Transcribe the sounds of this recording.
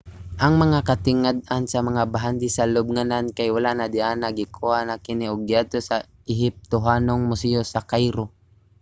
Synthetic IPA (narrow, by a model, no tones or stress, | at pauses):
ʔɐŋmɐŋakat̪ɪŋad̪̚ansɐmɐŋabaɦand̪ɪsalʊb̚ŋanankajwalanad̪ɪʔanaɡɪkʰuhaʔnakɪnɪʔoɡɪad̪̚t̪osa | ɪɦɪp̚t̪ʊɦaːnoŋmʊsɪosakajɾo